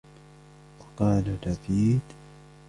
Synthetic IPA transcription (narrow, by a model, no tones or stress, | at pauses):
wakaːnanabiːd̪